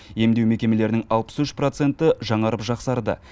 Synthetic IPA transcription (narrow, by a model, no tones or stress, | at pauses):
je̞md̪e̞wme̞kʲe̞me̞le̞ɾɪnɪŋɑlˠpə̥sʏʃpro̞t̪se̞nt̪ɪʒɑɴɑɾəpʒɑqsɑɾd̪ə̰